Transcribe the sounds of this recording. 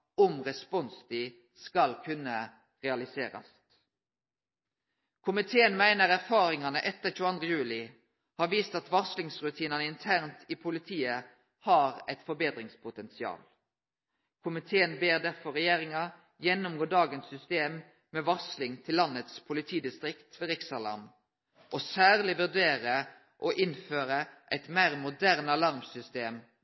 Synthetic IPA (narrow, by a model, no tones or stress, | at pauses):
ɔmʁɛspɔnsd̪ɪ | skɑlkʰʉnə | ʁɛɑlɪseːɾɑ̰s | kʰʊmɪt̪ʰeːənmæɪnəɾæʁfɑːɾɪŋɑnəʔɛt̪ːəçʉːɑnd̪ʁəjʉːlɪ | hɑːɾʋiːst̪ɑt̪ʋɑslɪŋsʁʉt̪ʰiːnɑnəɪnt̪ʰæʁnt̪ʰɪpʰʊlɪt̪ʰiːə | hɑːʁæɪt̪fɔɾbeːd̪ʁɪŋspʰʊt̪ʰɛnsɪɑ̰ːl | kʰʊmɪt̪ʰeːənbeːɾd̪æɾfɔɾɛjeːɾɪŋɑ | jɛnːʊmɡoːɖ̪ɑːɡənsʏst̪eːmː | ɛʋɑslɪŋt̪ʰɪlːɑnːət̪spʰʊlɪt̪ʰiːd̪ɪst̪ɾɪkt̪ʰʋɛɾɪksɑlɑ̰m | ʔɔsæːʁlɪʋʉʁd̪eːɾə | ʔɔʔɪnføːɾəʔæɪt̪mæːʁmʊd̪æʁnəɑlɑɾmsʏst̪eːm